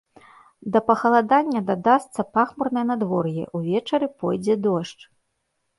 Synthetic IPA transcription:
d̪ɐpɐxɐlˠad̪anʲːɐd̪ad̪ast̪sɐpaxmurnɐjɐnad̪vɔrjɛ̰ʔuvʲɛt͡ʂɐɾɨpɔjd͡zʲɛd̪ɔʂt͡ʂ

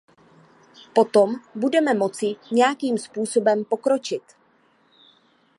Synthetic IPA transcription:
po̞t̪o̞mbudɛmɛmo̞t͡sɪɲɛjakiːmspuːso̞bɛmpo̞kɾo̞t͡ʃɪt̪

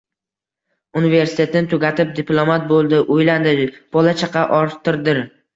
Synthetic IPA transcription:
unive̞ɾsɪ̥t̪ʰe̞t̪ɪnɪt̪ʰʊɡʲat̪ʰɪp̚d̪iplˠomat̪̚bolˠd̪ɪʔʊjland̪ɪb̥ɒlat͡ʃʰaqʰɑʔɒɾt̪ʰɪɾd̪ɪɾ

